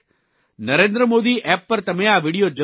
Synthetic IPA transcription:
nɐɾẽːnd̪ɾəmoːd̪iːʔɛːpːɐɾt̪ɐmẽːaːʋiːɽijoːd͡ʒɐ

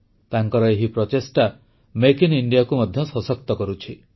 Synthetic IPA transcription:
t̪aŋkɔɾɔeɦipɾɔtesʈa | mekiniɳɖijakumɔd̪ʱjɔsɔsɔk̚t̪ɔkɔɾut͡ʃʰi

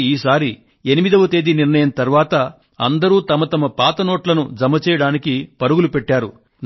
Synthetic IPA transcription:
iːsaːɾi | e̞nimid̪ɐʋɐt̪eːd̪iniɾnɐjɐnt̪ɐɾʋaːt̪ɐ | ɐ̰nd̪ɐɾuːt̪ɐmɐt̪ɐmɐpaːt̪ɐnoːʈlɐnud͡ʒɐmːɐt͡ʃɛːjɐɽaːnikipɐɾuɡulupɛʈːaːɾu | n

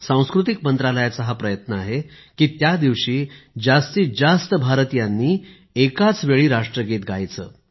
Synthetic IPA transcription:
sãw̃skɾut̪̬ikmənt̪ɾaləjat͡səɦapɾəjət̪nəaɦe | kiːt̪jad̪iʋɕiːd͡zast̪iːd͡zast̪əbʱaɾt̪ijanːiː | ekat͡sʋeɭiːɾaʂʈɾəɡʱet̪ɡʱajt͡sə̰ː

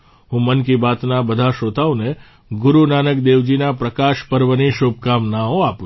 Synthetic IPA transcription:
ɦũmənkibat̪nabəd̪ʱaʃot̪aʋone | ɡʊɾunanəkd̪eʋd͡ʒinapɾəkaʃpəɾʋəniʃob̚kamnaõapu

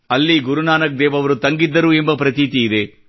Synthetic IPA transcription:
ɐlːiɡuɾunaːnɐk̚d̪ɛːʋɐʋɐɾut̪ɐŋɡid̪ːɐɾuembɐpɾɐt̪iːt̪iːd̪e

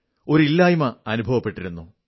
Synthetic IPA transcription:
o̞ɾuilːaːjumɐɐnubʱɐʋɐpːe̞ʈːiɾunːu

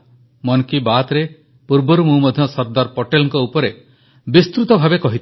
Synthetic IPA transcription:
mɔnkibat̪ɾe | puɾbɔɾumũmɔd̪ʱjɔsɔɾd̪aɾpɔʈelɔŋkɔupɔɾe | bist̪ɾut̪ɔbʱabekɔɦit̪

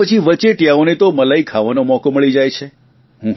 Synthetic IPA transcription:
ət͡ʃʰiʋət͡ʃeʈjaonet̪oməlaikʰaʋanomɔkoməɭid͡ʒajt͡ʃʰe | ɦũ

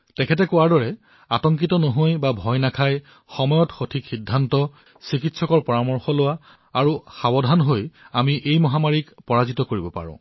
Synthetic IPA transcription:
tɛkʰɛtɛkʊwaɹdɔɹɛ | atɔŋk̬itɔnoɦojbabʱɔjnakʰaj | xɔmɔjɔtxotʰikxidʱːantɔ | sikitsɔkɔɹpɔɹamɔɹxɔlʊwa | aɹuxabɔdʱanɦojamiʔejmɔɦamaɹikpɔɹazitɔkoɹibɔpa̰ɹʊ̰̃

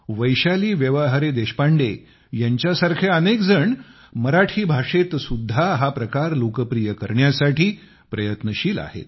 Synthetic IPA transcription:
ʋəjɕaliːʋjəʋəɦaɾed̪eɕpaɳɖe | jaɲt͡ɕjasaɾkʰeənekd͡zəɳ | məɾaʈʰiːbʱaʂet̪sud̪ʱːaɦapɾəkaɾlokəpɾijəkəɾɳjasaʈiː | pɾəjət̪nəɕiːla̰ɦḛt̪̚

